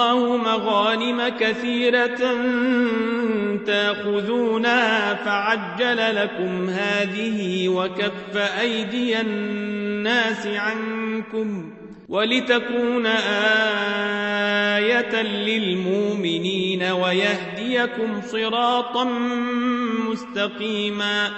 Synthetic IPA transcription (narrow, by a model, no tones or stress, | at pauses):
ɑːhʊmaɣaːnɪmakaθiːɾan | t̪aʔxʊðuːnahaːfaʕad͡ʒːalalakʊmhaːðɪhɪwakafːaʔajd̪ɪjaː | aːsɪʕankʊm | wʔalɪt̪akuːnaʔaː | jat̪alɪlmʊʔmɪniːnawajahd̪ɪjakʊmsˤɨɾɑːt̪ˤɑn | mʊst̪ɑqiːmaː